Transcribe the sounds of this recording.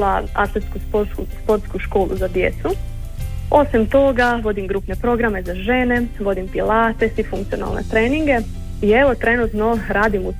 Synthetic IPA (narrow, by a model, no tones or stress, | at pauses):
laa̰t̪lˠet̪skuspoɾt̪kuspo̞ɾt̪skuʃko̞ːlˠʔṵzad̪je̞t̪su | o̞simt̪o̞ɡaʋo̞d̪imɡɾuːpne̞pɾo̞ɡɾame̞zaʒe̞ːne̞ʋo̞d̪impilaːt̪e̞sʋifuŋkt̪siona̰lnḛt̪ɾeːniŋɡe̞ | ie̞ʋo̞t̪ɾe̞nut̪no̞ɾaːd̪imu